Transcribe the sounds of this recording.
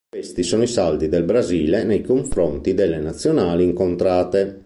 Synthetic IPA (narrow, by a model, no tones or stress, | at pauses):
west̪isɔːnoisald̪id̪elbɾaziːlenejkoɱfɾont̪id̪elːenat̪sːjonaːliːŋkont̪ɾaːt̪e